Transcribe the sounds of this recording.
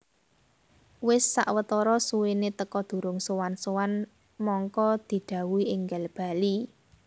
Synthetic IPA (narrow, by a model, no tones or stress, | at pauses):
wɪsːa̰ʔwət̪ɔɾɔsuwenet̪əkɔd̪̥ṳɾʊŋsowansowan | mɔŋkɔd̪̥i̤ɖ̪̥ä̤wuiʔɪŋɡalb̥a̤li